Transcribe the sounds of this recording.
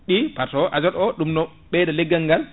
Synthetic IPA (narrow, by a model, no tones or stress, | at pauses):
ɗipaɾtɔʔad͡ʒɔɗɔɗumnɔ | ɓɛːdalɛɡːaŋɡal